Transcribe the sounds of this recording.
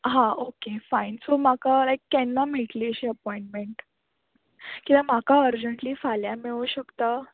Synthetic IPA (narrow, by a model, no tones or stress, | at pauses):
ɦãokefajnsomakalajkːɛnːamiʈliːəɕiːəpɔĩɳʈmeɳʈ | kit̪ãm̤akaəɾd͡ʑəɳʈliːfaljameʋuɕəkt̪a